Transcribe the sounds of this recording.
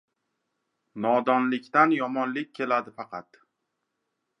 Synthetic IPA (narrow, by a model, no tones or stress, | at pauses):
nɒd̪ɒnlɪkʲt̪anjɒmɒnlɪk̚ʲʰːe̞lad̪ɪfɑqʰɑt̪